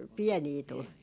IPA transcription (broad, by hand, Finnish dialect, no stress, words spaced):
piɛniː tul